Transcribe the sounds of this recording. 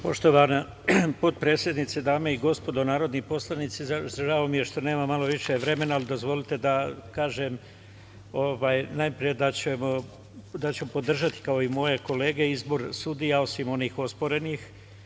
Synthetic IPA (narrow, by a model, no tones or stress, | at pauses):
po̞ʃt̪o̞ʋana | po̞t̪̚pɾeːsje̞d̪nit̪sed̪aːmeiɡo̞spo̞d̪o̞naːɾo̞d̪nipo̞slˠanit̪sizazaʒaomijeɾʃt̪o̞ne̞ːmamalo̞ʋiʃe̞ʋɾe̞me̞naːlid̪o̞zʋo̞lit̪e̞d̪akaːʒem | oʋaːjnajpɾije̞d̪at͡ɕemo | d̪at͡ɕemopo̞d̪r̩ʒat̪i̥kao̞imo̞je̞ko̞le̞ːɡe̞izbo̞ɾsuːd̪ijao̞simo̞niːxo̞spo̞ɾe̞nix